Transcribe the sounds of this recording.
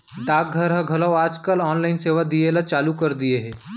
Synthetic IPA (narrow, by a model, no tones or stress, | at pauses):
ɖaːk̚ɡʱɐɾɦɐ̃ɡʱɐlɔwaːd͡ʒkəlɔːnlaːɪnseːʋad̪ielat͡ʃaːlukɐɾd̪ieɦɛ̃ː